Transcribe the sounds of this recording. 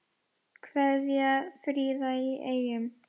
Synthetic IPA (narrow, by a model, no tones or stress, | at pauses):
kʰvɛðjafɾiːðaiʔejʏm